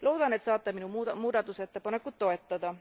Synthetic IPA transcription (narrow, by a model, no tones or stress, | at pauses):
lout̪ɑnːet̪sɑːt̪ːɑminummut̪ɑmuːd̪ɑt̪uset̪ːæpɑnekːut̪toet̪ːɑt̪ɑ